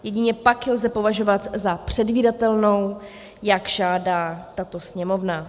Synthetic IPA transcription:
jɛɟɪɲɛpaklzɛpo̞vaʒo̞vat̪zapr̝̥ɛdviːdat̪ɛlno̞w | jakʒaːdaːt̪at̪o̞sɲɛmo̞vna

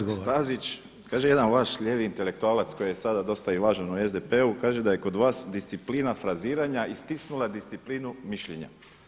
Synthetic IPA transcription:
st̪azit͡ʃ | kaːʒejed̪anʋaʃʎeːʋiːnt̪e̞le̞k̚t̪uaːlat̪sko̞jijesad̪ad̪o̞st̪aiʋaːʒanue̞zd̪epe̞ukaːʒe̞d̪aje̞ko̞d̪ʋaːsd̪ist̪sipliːnafɾaziːɾaɲaʔist̪isnulˠad̪ist̪siplinumiʃʎeɲa̰

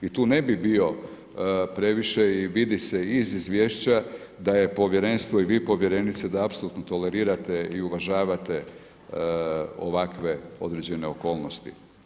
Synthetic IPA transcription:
it̪uːne̞bibio̞ | pɾe̞ʋiʃe̞iʋid̪ise̞izizʋʲje̞ːʃt͡ɕa | d̪aje̞po̞ʋje̞ɾe̞nst̪ʋoiʋiːpo̞ʋje̞ɾe̞nit̪sed̪aapsoluːt̪not̪o̞le̞ɾiːɾat̪e̞iuʋaʒaːʋat̪e̞ | o̰ʋakʋe̞o̞̰d̪ɾe̞d͡ʑe̞ne̞o̞ko̞ːlnost̪ḭ

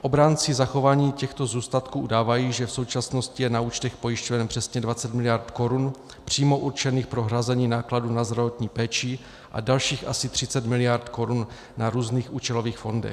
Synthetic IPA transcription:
ʔo̞bɾaːnt͡sɪzaxo̞vaːɲiːcɛxt̪o̞zuːst̪at̪kuːʔudaːvajiːʒɛfso̞wt͡ʃasno̞scɪjɛnauːt͡ʃt̪ɛxpo̞jɪʃcovɛnpr̝̥ɛsɲɛdvat͡sɛt̪mɪlɪjaɾt̪ko̞ɾun | pr̝̥iːmo̞ʔuɾt͡ʃɛniːxpɾo̞ɦɾazɛɲiːnaːkladunazd̪ɾavo̞t̪ɲiːpɛːt͡ʃɪ | ʔa̰dalʃiːxʔasɪt̪r̝̥ɪt͡sɛt̪mɪlɪjaɾt̪ko̞ɾunː | aɾuːzniːxʔuːt͡ʃɛlo̞viːxfo̞ndɛ̰x

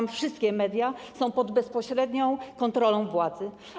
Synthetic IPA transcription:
mfʂɘst̪kʲɛmɛd̪ʲjasɔ̃w̃pɔd̪bɛspɔɕɾɛd̪ɲɔ̃w̃kɔnt̪ɾɔlɔ̃w̃vwad̪zɘ

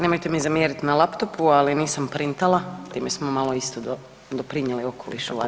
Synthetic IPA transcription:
ne̞mojt̪emizamjeːɾit̪nalˠapt̪opualiniːsampɾint̪alat̪iːmesmomalˠoist̪od̪o | d̪opɾiɲelio̞kʰolḭʃua

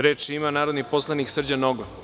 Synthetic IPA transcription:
ɾeːt͡ʃimanaːɾod̪niposlˠaniksr̩d͡ʑanoɡo

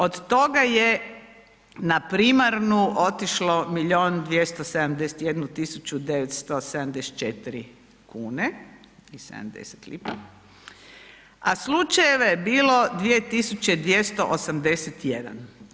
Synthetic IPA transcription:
od̪t̪o̞ɡaje | napɾiːmaɾnuʔo̞t̪iʃlo̞miʎo̞ːnd̪ʋjest̪osed̪amd̪e̞set̪je̞d̪nut̪isut͡ɕud̪e̞ʋet̪st̪osed̪amd̪ese̥t̪t͡ʃet̪iɾi | kuːne | isḛd̪a̰md̪ḛse̥t̪lḭpa | aslut͡ʃajeʋajebiːlo̞d̪ʋije̞t̪isut͡ɕe̞d̪ʋje̞st̪o̞ʔosamd̪e̞set̪je̞d̪a̰n

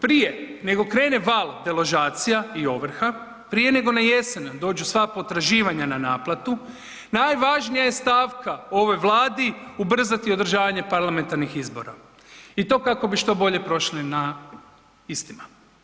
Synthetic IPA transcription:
pɾije̞ne̞ɡo̞kɾe̞ːne̞ʋaːld̪e̞lˠo̞ʒaːt̪sijaio̞ʋr̩xa | pɾije̞ne̞ɡo̞naje̞send̪o̞ːd͡ʑusʋapo̞t̪ɾaʒiːʋaɲananaːplˠat̪u | najʋaʒnijaje̞st̪aːʋkʰao̞ʋo̞jʋlˠaːd̪iubr̩zat̪io̞d̪ɾ̩ʒaːʋaɲe̞paɾlame̞nt̪aɾnixizbo̞̰ɾa̰ | it̪o̞kako̞biʃt̪o̞bo̞ʎe̞pɾo̞ʃlina | ist̪ima

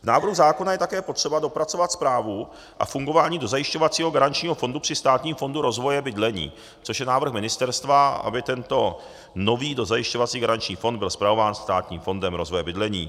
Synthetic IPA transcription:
vnaːvɾɦuzaːko̞najɛt̪akɛːpo̞t̪r̥ɛbado̞pɾatt͡so̞vat̪spɾaːvu | ʔa̰fuŋɡo̞vaːɲiːdo̞zajɪʃco̞vat͡siːɦo̞ɡaɾant͡ʃɲiːɦofo̞ndupr̥ɪst̪aːt̪ɲiːmfonduɾo̞zvo̞jɛbɪdlɛɲḭː | t͡soʃjɛnaːvr̩xmɪnɪst̪ɛɾst̪vaa̰bɪt̪ɛnt̪o̞ | no̞viːdo̞zajɪʃcovat͡siːɡaɾant͡ʃɲiːfo̞nd̪bɪlspɾavo̞vaːnst̪aːt̪ɲḭːmfo̞ndɛmɾo̞zvojɛbɪdlɛɲiː

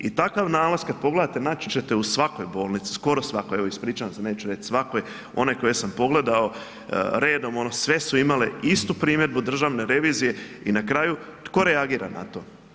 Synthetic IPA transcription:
it̪akaʋnaːlˠazkad̪̚po̞ɡle̞d̪at̪e̞nat͡ʃt͡ʃe̞t̪e̞usʋako̞jboːlnit̪si̥sko̞ɾo̞sʋakoeʋoispɾiːt͡ʃaamseneːt͡ʃuɾet͡ʃ̪sʋakoj | o̞̰neko̞je̞sampo̞ɡle̞d̪ao̞̰ | ɾe̞ːd̪o̞mo̞nosʋe̞suimaleist̪upɾiːmje̞d̪̚bud̪r̩ʒaʋne̞ɾe̞ʋiːzije̞inakɾaːjut̪ko̞ɾeaɡiːɾa̰na̰t̪o̞ː

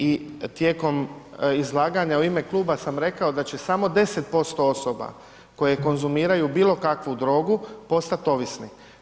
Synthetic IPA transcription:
it̪je̞ːko̞mizlˠaːɡaɲauime̞klˠuːbasamɾe̞kao̞d̪at͡ɕe̞samo̞d̪e̞se̞t̪̚po̞st̪o̞o̞so̞ba̰ | ko̞je̞ko̞nzumiːɾajubiːlˠo̞kakʋud̪ɾo̞ːɡupo̞st̪at̪o̞ʋisni

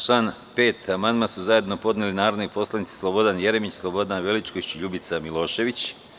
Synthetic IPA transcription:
ʃan | pe̞ːt̪amand̪masuzaje̞d̪no̞po̞d̪nelinaːɾod̪nopo̞slˠanit̪si̥slˠobo̞d̪anjeɾemit͡ɕslˠobo̞d̪anʋe̞lit͡ʃkoit͡ɕʎubit̪samilˠo̞ːʃe̞ʋit͡ɕ

